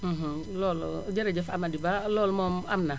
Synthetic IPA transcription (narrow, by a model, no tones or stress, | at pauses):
m̩̃ɦ̩ | loːlɟeɾeɟefamadibaloːlmoːmamna